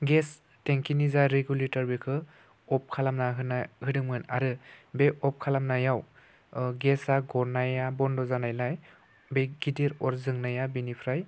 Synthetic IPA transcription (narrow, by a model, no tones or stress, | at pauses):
ɡɛs | teŋkinizaɾeɡjuletaɾbikʰɯ | ɔp̚kʰalamnaɦɯnahɯdɯŋmɯna̰ɾɯbeɔp̚kʰalamnajaw | ɡɛsaɡɔɾnajabɔndɔzanajlaj | beɡ̥ideɾɔɾzɯŋnajabinipʰɾaj